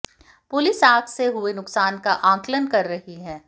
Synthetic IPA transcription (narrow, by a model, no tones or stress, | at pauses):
pʊlɪsaːɡseɦʊenʊksaːnkaʔãːklənkɐɾːɐɦiɦɛ̃ː